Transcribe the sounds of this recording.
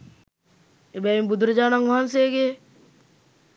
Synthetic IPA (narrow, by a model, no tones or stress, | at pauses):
ebɛimbud̪ʱɾɐd͡ʒaːnaŋʋaɦanseːɡeː